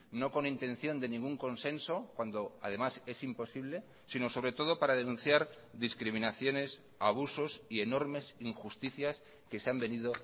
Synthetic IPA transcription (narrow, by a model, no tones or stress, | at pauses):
no̞ko̞nint̪ẽ̞nθjo̞nd̪e̞nĩŋɡuŋko̞nse̞nso̞kwand̪oað̞e̞mase̞simpo̞siβ̞le̞ | sino̞so̞β̞ɾe̞t̪o̞ð̞o̞paɾað̞e̞nũn̟θjaɾ | ðiskɾimĩnaθjo̞ne̞s | aβ̞uso̞sie̞no̞ɾme̞siŋxust̪iθjas | ke̞seambe̞niðo̞